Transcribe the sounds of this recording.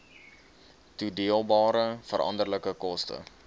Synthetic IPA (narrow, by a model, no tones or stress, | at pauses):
tudiəlˠbɑːɾəfəɾʔɐ̰ndərləkəkɔstə̰